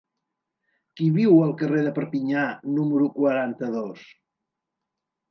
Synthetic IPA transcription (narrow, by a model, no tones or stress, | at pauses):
kiβiwəlˠkəreðəpəɾpiɲanuməɾukwəɾant̪əðos